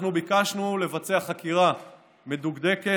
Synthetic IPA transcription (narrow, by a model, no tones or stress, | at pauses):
nubikaʃnule̞vat͡seaχakiʁa | meduɡd̪e̞ke